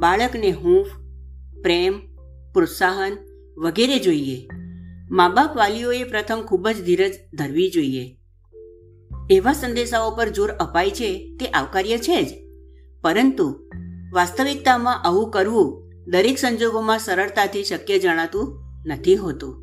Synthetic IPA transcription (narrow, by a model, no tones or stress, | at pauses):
baɭəkneɦũf | pɾem | pɾot̪saɦən | ʋəɡeɾed͡ʒoie | mabapʋalioepɾət̪ʰəmkʰubəd͡ʒd̪ʱiɾəd͡ʒd̪ʱəɾʋid͡ʒoie | eʋasənd̪eʃaopəɾd͡ʒoɾəpajt͡ʃʰet̪eʔaʋkaɾjət͡ʃʰed͡ʒ | pəɾənt̪uʋast̪əʋik̚t̪amãʔəʋũkəɾʋũ | d̪əɾeksəɲd͡ʒoɡomãsəɾəɾt̪at̪ʰiʃəkjəd͡ʒəɽ̃at̪ũnət̪ʰiɦot̪ũ